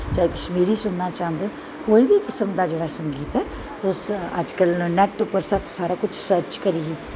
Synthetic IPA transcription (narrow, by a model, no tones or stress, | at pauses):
t͡ʃaːikəʃmiːɾisʊnnat͡ʃaːə̃nd̪ẽ | koːiːbʱikɪsəmd̪aːd͡ʒeːɽasə̃ŋɡiːt̪ɦɛː | t̪oʊsə̰d͡ʒkəlnɛʈːʊpːəɾsəɾsaːɾakʊt͡ʃʰsəɾt͡ʃkəɾiɛ